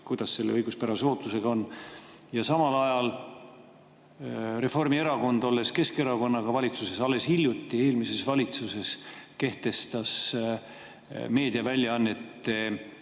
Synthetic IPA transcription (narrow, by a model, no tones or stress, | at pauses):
kujd̪̥ɑsse̞lːeɤjɡ̥uspæɾɑseo̞ːt̪ːˑuse̞ɡ̥ɑo̞nː | jɑsɑmɑlɑjɑl | re̞fo̞rmie̞ɾɑko̞nd̪̥o̞lːe̞ske̞ske̞ɾɑko̞nːɑɡ̥ɑvɑlʲit̪suse̞sɑlːe̞shilʲjut̪ːˑie̞ːlmise̞svɑlʲit̪suse̞ske̞ht̪e̞st̪ɑs | me̞ːd̪̥iɑvælʲjɑɑnːe̞t̪ːe̞